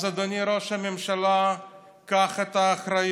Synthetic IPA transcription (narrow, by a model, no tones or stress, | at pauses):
zad̪oniɾoʃhamemʃala | kaχet̪aːχɾaj